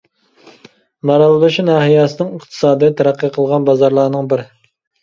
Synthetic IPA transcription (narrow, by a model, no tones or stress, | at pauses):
mɑɾɑlˠlɨʃinɑːɦijɑsɨnɨŋəqt̪ʰɨ̥sɑːd̪ɨjt̪ʰæɾæqʰːɨqʰəlˠʁɑnbɑzɑɾlˠɑːnɨŋbɪɾ